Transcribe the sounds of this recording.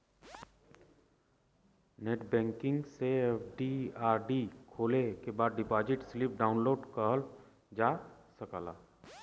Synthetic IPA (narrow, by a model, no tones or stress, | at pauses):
neːʈbɛ̃ːŋkɪ̃ŋɡseepʰɖiaːɾɖikʰoːlekebaːd̪̚ɖɪpaːd͡ʒɪʈslɪp̚ɖaːʊnloːɖkəl | d͡ʒaːsəkaːla̰ː